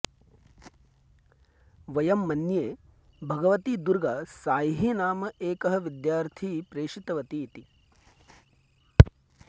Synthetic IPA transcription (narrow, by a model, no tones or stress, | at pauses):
ʋɐjɐmːɐnjeː | bʱɐɡɐʋɐt̪id̪uɾɡɐsaːjɦinaːmɐʔeːkɐɦɐʋid̪jaːɾt̪ʰipɾeːʂit̪ɐʋɐt̪iːt̪i